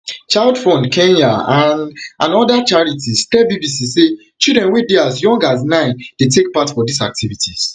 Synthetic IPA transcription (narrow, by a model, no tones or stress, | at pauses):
t͡ʃaɪldfɔ̃ndkʰẽnaãnʔãnɔdat͡ʃaɹitʰistɛbibisise | t͡ʃildɹɛ̃nwideazjɔ̃ŋɡaz̬nãɪ̃nd̥etek̚patfɔdisa̰k̚tʰivitʰiz̥